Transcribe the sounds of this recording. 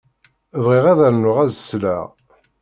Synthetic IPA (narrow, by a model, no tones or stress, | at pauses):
vʁiʁæðæɾnʊʁæzəslæ̰ʁ